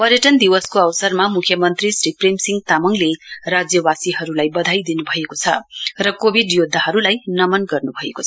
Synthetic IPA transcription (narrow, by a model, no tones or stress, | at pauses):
pʌɾjʌʈʌnd̪iwʌskoʌwsʌrmamukʰjʌmʌnt̪risripremsiŋɡ̚t̪amʌŋlerad͡zjʌwasiɦʌɾulajbʌd̪ʱajd̪inubʱʌekot͡sʰʌrʌkobʱiɖjod̪ʱːaɦʌɾulajnʌmʌnɡʌrnubʱʌeko